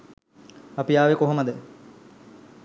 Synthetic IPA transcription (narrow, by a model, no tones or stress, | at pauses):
ɐpiaːʋekoɦoməd̪e